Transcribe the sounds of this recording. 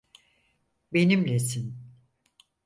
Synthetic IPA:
be̞nimlʲɛsin

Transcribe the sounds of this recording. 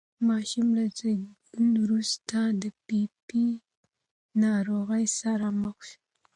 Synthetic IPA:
mɑʃumlazeɡ | unwɾust̪ad̪əpipi | nɑɾoɣəjsaɾaməxʃu̥

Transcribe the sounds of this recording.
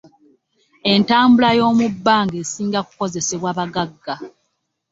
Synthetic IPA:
e̞ntaːmbulajo̞ːmubːaːŋɡeːsiːŋɡaku̥ko̞ze̞se̞βwaːβaɡaɡːa

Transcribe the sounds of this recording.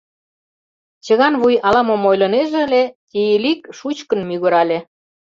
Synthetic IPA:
t͡ɕə̆ɣɑnβujɑlɑmomojlɤ̆neʒĕəlʲet̪ʲijilikʃut͡ɕkə̆nmyɣə̆ɾɑlʲe

